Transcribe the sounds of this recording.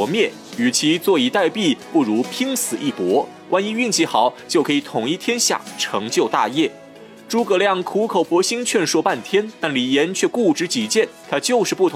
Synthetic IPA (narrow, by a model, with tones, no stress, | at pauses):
ɔ˧˥mjɛ˥˩ | y˨˩t͡ɕʰi˧˥t͡swɔ˥˩i˧˥t̪a˥˧ɪpi˥˩pu˥˩ɻu˧˥pʰi˥ŋsɹ̩˨˩ʔi˥˩pwɔ˧˥ | kwa˧˥ni˧˥y˥˧ŋt͡ɕi˧˥˩xɑ˨˩˦ʊt͡ɕjo˥˩ʊkʰɤ˧˥i˨˩t̪ʰʊ˨˩ŋi˥˩t̪ʰjɛ˥nɕja̰˥˩ʈ͡ʂʰɤ˧˥ŋt͡ɕjo˥˧ʊt̪a̰˥˧jɛ˥˩ | ʈ͡ʂu˧˥kɤ˧˩ljɑ˥˩ŋkʰu˧˥kʰo˨˩ʊpwɔ˧˥ɕi˥ŋt͡ɕʰɥɛ˥˧nʂwɔ˥˧pa˥˩nt̪ʰjɛ˥nt̪a˥˩nli˨˩jɛ˧˥nt͡ɕʰɥɛ˥˧ku˥˩ʈ͡ʂɻ̩˧˥t͡ɕi˧˥t͡ɕjɛ˥˩nt̪ʰa˥t͡ɕjo˥˧ʊʂɻ̩˥˧pu˥˩t̪ʰ